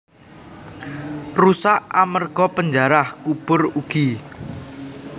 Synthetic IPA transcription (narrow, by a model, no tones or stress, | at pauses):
rusaʔa̰mərɡ̥ɔpəɲd͡ʒaɾahkub̥ʊruɡ̥i